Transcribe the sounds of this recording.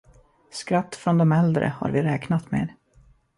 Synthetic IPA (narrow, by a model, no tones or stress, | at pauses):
skɾat̪ːfɾɔnd̪ɔmɛld̪ɾə̰ha̰ɾvɪɾɛːknat̪meːɾ